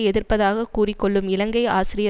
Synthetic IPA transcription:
ɛðɪrpɐðaːɣɐkuːrɪkːɔɭːɯmɪlɐŋɡɐɪaːsɪɾɪjɐ

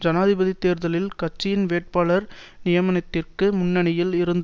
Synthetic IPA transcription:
d͡ʒɐnaːðɪbɐðit̪ːeːɾðɐlɪlkɐt͡ʃːɪjɪnʋeːʈ̚paːlɐɾ | nɪjɐmɐnɐt̪ːɪrkɯmʊnːɐnɐjɪlɪɾɯnd̪

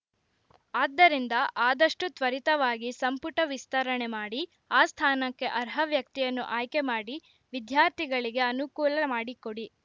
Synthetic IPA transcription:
aːd̪ːɐɾind̪ɐʔaːd̪ɐʂʈut̪ʋɐɾit̪ɐʋaːɡisɐmpuʈɐʋist̪ɐɾɐɳemaːɽi | aːst̪ʰaːnɐkːe̞ʔɐɾɦɐʋjɐk̚t̪ijɐnːṵʔaːjkemaːɽi | ʋid̪jaːɾt̪ʰiɡɐɭiɡe̞ɐnukuːlɐmaːɽikoɽi

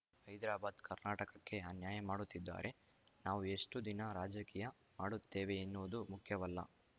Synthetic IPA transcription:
hɐjd̪ɾaːbaːd̪kɐɾnaːʈɐkɐkːe̞ɐnjaːjɐmaːɽut̪ːid̪ːa̰ːɾʔe̞ | naːʋue̞ʂʈud̪inɐɾaːd͡ʒɐkiːjɐ | maːɽut̪ːeːʋe̞ːnːuʋɐd̪umukʰjɐʋɐlːɐ̰

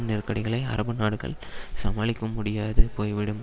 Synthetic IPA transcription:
nɪrkɐɽɪɣɐɭɐɪɐ̰ɾɐbɯnaːɽɯɣɐ̰ɭ | sɐmaːlɪkːɐmʊɽɪjaːðɯpoːjʋɪɽɯm

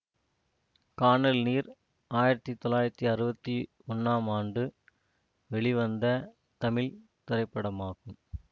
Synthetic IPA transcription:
kaːɳɐlniːɾ | aːjɪɾɐt̪ːit̪ːɔlaːjɪɾɐt̪ːiɐɾɯbɐt̪ːi | ɔnːaːmaːɳɖɯ | ʋɛɭiʋɐnd̪ɐ | t̪ɐmɪl | t̪ɪɾɐɪpːɐɽɐmaːɣɯm

